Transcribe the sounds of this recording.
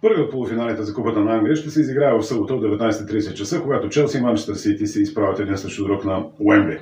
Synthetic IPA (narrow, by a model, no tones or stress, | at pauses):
pɤɾviot̪̚polˠʊfinalʲnit̪ɛzɐkupət̪ənɐaŋɡlʲiəʃt̪ɛsɛiziɡɾaɛvɐfsɤbot̪əod̪ɛvɛt̪najsɛt̪t̪ɾiːɛsɛt̪̚t͡ʃɐsəkoɡat̪ot͡ʃɛlˠsivant͡ʃɛ̥t̪əsit̪isɛispɾavʲət̪ɛd̪insəʃt̪od̪ɾɔknɐɛmbi